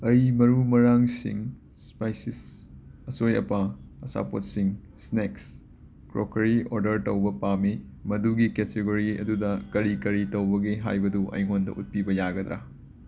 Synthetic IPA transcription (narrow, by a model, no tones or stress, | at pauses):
ɐjmɐɾumɐɾaŋsḭŋ | spajsis | ɐsojɐ̰pɐɐsa̰pot̚siŋ | sneks | kɾokɐɾioɾdɐɾtɐwbɐpami | mɐduɡiketeɡoɾiɐ̰dudɐkɐɾikɐɾitɐwbɐɡeɦa̰jbɐduʔɐ̰jŋondɐ̰ʔut̚pibɐjaɡɐd̪ɾa̰